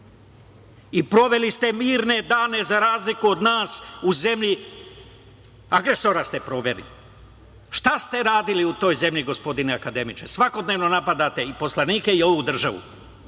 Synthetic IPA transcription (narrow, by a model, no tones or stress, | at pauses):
ipɾo̞ʋe̞list̪e̞miːɾne̞d̪aːne̞zaɾaːzlikuo̞d̪naːsuze̞mʎi | aɡɾe̞so̞ɾast̪e̞pɾo̞ʋe̞lḭ | ʃt̪ast̪e̞ɾaːd̪iliut̪o̞ːjze̞mʎiɡo̞spo̞d̪ineakad̪e̞mit͡ʃe̞sʋako̞d̪neʋno̞napad̪at̪eipo̞slaniːke̞io̞ʋud̪r̩ʒaʋṵ